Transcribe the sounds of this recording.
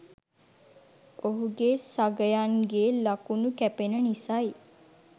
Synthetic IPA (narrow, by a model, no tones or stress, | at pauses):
oɦuɡesaɡəjaŋɡeːlakunukæpenənisaj